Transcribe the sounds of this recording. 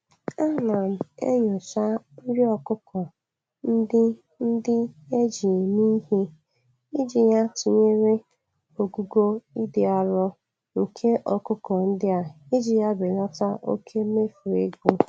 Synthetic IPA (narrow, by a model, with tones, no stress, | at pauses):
a˦˨na˨m̩˨ḛ˦ɲʊ˨sa˦n̩˦ɾɪ˦ɔ˨kʊ˦kʰɔ˨ | n̩˦dɪ˦ | n̩˦dɪ˦e˦d͡ʒi˨ni˦ɦe˦ | i˦d͡ʒi˨ja˦t͡ʃi˨ɲe˦ɾe˦ | o˨ɡu˦ɡo˦i˦dɪ˨a˨ɾɔ˦ | ŋ̩˨kʰe˦ʔɔ˨kʊ˦kɔ˨n̩˦dɪ˦a˨i˦d͡ʒi˨ja˦bɪ˨lɔ˦ta˦ʔo̰˦kʰe˦me˦fu˨e˦ɡo˦